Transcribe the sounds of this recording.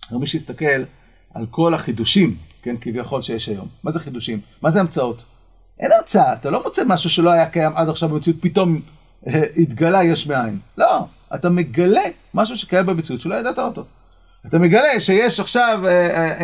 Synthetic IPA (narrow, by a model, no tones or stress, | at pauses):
miʃuist̪ake̞l | a̰lko̞laχid̪uʃimkenkivjaχo̞lʃejeʃajo̞̰mːazeχid̪uʃimːazeamt͡saot | ʔe̞̰namt͡saaːt̪alo̞mot͡semaʃuʃe̞lo̞ajakajamadaχʃavbemet͡siut̪̚pito̞m | eit̪ɡalajeʃmeainlo̞ | a̰tame̞ɡale̞ | maʃ̬uʃe̥kajambemet͡siutʃelo̞jad̪at̪aoto̞ | atame̞ɡale̞ʃe̞jeʃaχʃave